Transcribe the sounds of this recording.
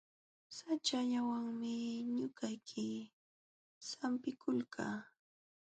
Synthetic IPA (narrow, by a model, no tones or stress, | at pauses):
sat͡ʃaʎawaŋmɪɲʊkajkʰɪ | sampɪkʰʊlkʰa̰ː